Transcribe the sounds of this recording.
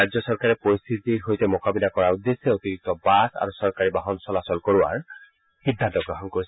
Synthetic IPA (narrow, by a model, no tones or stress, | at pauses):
ad͡ʒɔsɔɹkaɹɛpoɹist̪ʰitiɹɦojtɛmɔkabilakɔɹaud̪ːesɛot̪iɹik̚tɔbasa̰ɹusɔɹkaɹibaɦɔnsɔlasɔlkoɹuwa̰ɹ | hid̪ʱːant̪ɔɡɹɔɦɔnkoɹis